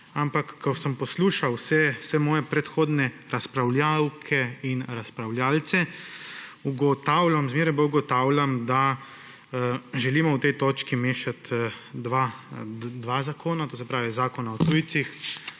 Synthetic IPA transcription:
ampakːɔsəmpɔsluːʃawsɛsɛmɔːjɛpɾɛt̪xoːd̪nɛɾaspɾawljawkʰɛinɾaspɾawlʲjaːlt̪sɛ | uɡɔt̪awlamzmeːɾajbauɡɔt̪aːwlamd̪a | ʒɛliːmɔwt̪ɛjt̪oːt͡ʃkimeːʃat̪ʋa | d̪ʋaːzakʰoːnat̪oːsɛpɾaːʋizaːkɔnaɔt̪uːjt̪six

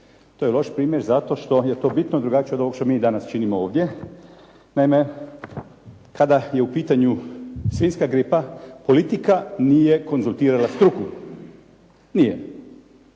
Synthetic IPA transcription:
t̪ojelˠo̞ʃpɾiːmjeɾzat̪o̞ʃt̪o̞je̞t̪o̞ːbit̪noid̪ɾuɡat͡ʃied̪o̞ʋokʃt̪omiːd̪anast͡ʃinimooːʋd̪je̞ | naime | kʰad̪aje̞upiːt̪aɲusʋiːnskaɡɾipapo̞lit̪ikanijeko̞nzulˠt̪iːɾalast̪ɾukuɾ | nijḛ

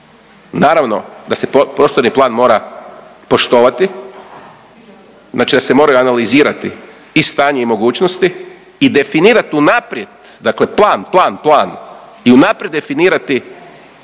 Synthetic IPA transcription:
naːɾaʋno̞̰d̪ase̞popɾo̞ːst̪oɾniplˠaːnmo̞ːɾa | po̞ʃt̪o̞ːʋat̪i | znaːt͡ʃid̪ase̞mo̞ːɾajuanaliziːɾat̪i | ist̪aːɲeimo̞ɡuːt͡ɕnost̪iː | d̪e̞finiːɾat̪iunapɾje̞d̪d̪akle̞plˠaːnplˠaːnplˠaːn | iunapɾjed̪d̪e̞finiːɾat̪i

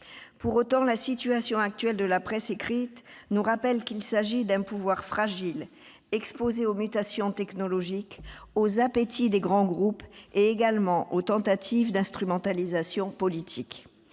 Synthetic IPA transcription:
puʁot̪ɑ̃lasit̪yasjɔ̃ak̚t̪ɥɛld̪əlapχɛsekχit̪nuʁapɛlkilsaʒid̪ɛ̃puvwaʁfχaʒil | ɛkspozeomyt̪asjɔ̃t̪ɛknɔlɔʒikozapet̪ʰid̪eɡʁɑ̃ɡʁupeeɡalmɑ̃ʔot̪ɑ̃t̪at̪ʰivd̪ɛ̃st̪χymɑ̃t̪alizasjɔ̃pɔlit̪ʰik

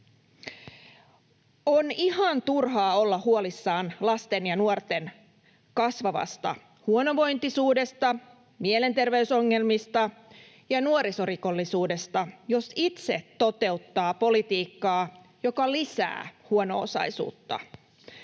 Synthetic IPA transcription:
onihɑnt̪urɦɑːo̞lːɑhuolisːɑːnlɑst̪e̞njɑnuort̪e̞n | kɑsʋɑʋɑ̰st̪ɑ̰ | huonoʋo̞jnt̪isuːde̞st̪ɑ | miele̞nt̪e̞rʋeysoŋːe̞lmist̪ɑ | jɑnuoɾiso̞riko̞lːisuːde̞st̪ɑjo̞sit̪seto̞t̪e̞ut̪ːɑːpo̞lit̪iːkːɑː | jo̞kɑlisæ̰ːhuono̞̰o̰sɑ̰jsṵːt̪ːɑ̰

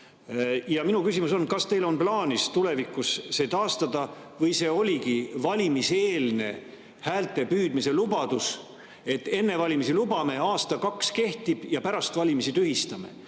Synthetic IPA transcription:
jɑminukysimuso̞nkɑst̪e̞jlo̞nplɑːnʲist̪ule̞vikːˑusːe̞t̪ɑːst̪ɑd̪ɑ | vɤjse̞ːo̞lʲiɡivɑlʲimise̞ːlne̞̰ | hæːlt̪e̞pyːd̪̥mise̞lubɑd̪̥us | e̞t̪ːe̞nːe̞vɑlʲimisilubɑme̞ɑːst̪ɑkɑkske̞ht̪ib̥jɑpæɾɑst̪vɑlʲimisit̪yɦist̪ɑme̞̰

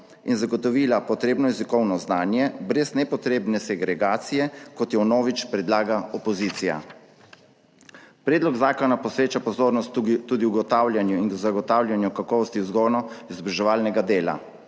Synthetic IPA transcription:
inzaɡɔt̪ɔʋiːlapɔt̪ɾeːbnɔjɛzikɔwnɔznaːnjɛbɾɛznɛpɔt̪ɾeːbnɛsɛɡɾɛɡaːt̪sijɛkɔt̪jɛwnɔːʋit͡ʃpɾɛd̪laːɡaɔpɔziːt̪sija̰ | pɾɛːd̪lɔɡzaːkɔnapɔsɾeːt͡ʃapɔzoːɾnɔst̪t̪ːuːd̪iwɡɔt̪aːwlʲjanjuinɡzaɡɔt̪awljanjukakɔːʋɔst̪iwzɡɔnɔizbɾɛʒɛʋaːlnɛɡad̪eːla̰

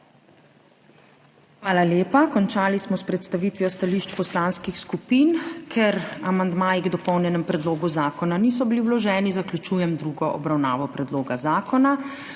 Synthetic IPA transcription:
xʋaːlaljeːpakɔnt͡ʃaːlismɔspɾɛt̪st̪aʋiːt̪ʋijɔst̪aliːʃt͡ʃpɔslaːnskixskupiːnkʰɛɾamand̪maːjiɡd̪ɔpɔwnjɛnɛmpɾɛd̪loːɡuzaːkɔnaniːsɔbiliwlɔʒɛːnizaklʲut͡ʃuːjɛmd̪ɾuːɡɔʔɔbɾawna̰ːʋɔpɾɛd̪loːɡazaːkɔna

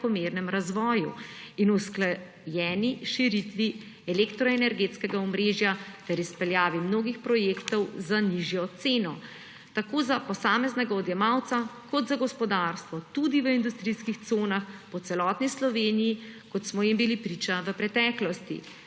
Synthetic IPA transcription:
kɔmeːɾnɛmɾazʋɔːjṵinuskla | jɛːniʃiɾit̪ʋi | ɛlekt̪ɾɔɛnɛɾɡeːt̪skɛɡaɔmɾeːʒjat̪ɛɾispɛljaːʋimnoːɡixpɾɔjeːkt̪ɔwzaniʒjɔt̪seːnɔ | t̪akoːzapɔsaːmɛznɛɡaɔd̪jɛmawt̪sakɔd̪zaɡɔspɔd̪aɾst̪ʋɔt̪ud̪iʋəind̪ust̪ɾiskixt̪soːnaxpɔt̪sɛlɔːt̪nislɔʋeːnijikɔt̪smɔjimbilipɾiːt͡ʃaʋəpɾɛt̪ɛːklɔst̪ḭ

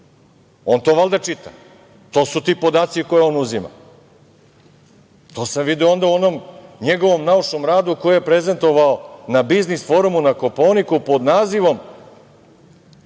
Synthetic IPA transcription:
o̞nt̪o̞ʋalˠd̪at͡ʃit̪a | t̪o̞ːsut̪iːpo̞d̪aːt̪siko̞jeo̞nuzima̰ | t̪o̞ːsamʋid̪ioo̞nd̪auo̞no̞mɲeɡo̞ʋo̞mnauʂnomɾaːd̪uko̞jejepɾeze̞nt̪o̞ʋaonabiznisfo̞ːɾumunako̞poːnikupo̞d̪naːziʋo̞m

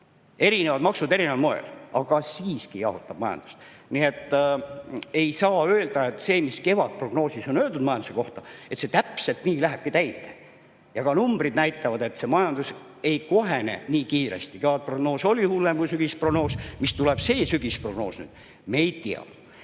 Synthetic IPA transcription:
e̞ɾine̞vɑd̪mɑksud̪e̞ɾineɑlmoḛlʔɑɡ̥ɑsiːskijɑ̰hut̪ːˑɑb̥mɑjɑ̰nd̪̥u̥st̪ | nie̞t̪ːˑ | e̞jsɑːøːld̪ɑe̞t̪ːse̞ːmiske̞vɑd̪̥̚pro̞ɡno̞ːsiso̞nøːld̪ud̪̥mɑjɑnd̪u̥se̞ko̞ht̪ɑe̞t̪se̞t̪æpse̞lt̪niːlæɦeb̥kit̪æjt̪ːˑe̥ | jɑɡ̥ɑnumb̥rid̪næjt̪ːˑɑvɑd̪e̞t̪se̞mɑjɑnd̪̥us | e̞jko̞ɦene̞̰niːkiːɾe̞̰st̪ike̞vɑd̪̚pro̞ɡ̥no̞ːso̞lʲihulːemkujsyɡ̥isproɡ̥no̞ːsmist̪uleb̥se̞ːsyɡ̥ispro̞ɡ̥no̞̰ːsny̰ːd̪̥ | me̞jt̪iɑ̰̥

